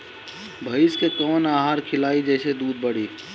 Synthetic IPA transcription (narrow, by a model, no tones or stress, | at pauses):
bʱɐɪskekɔːnaːɦaːɾkʰɪlaːid͡ʒɛːsed̪uːd̪̚bəɽiː